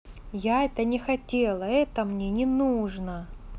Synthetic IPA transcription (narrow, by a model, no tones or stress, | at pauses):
jaɛt̪ənʲɪxɐtʲelˠɐɛt̪əmnʲenʲɪnuʐnə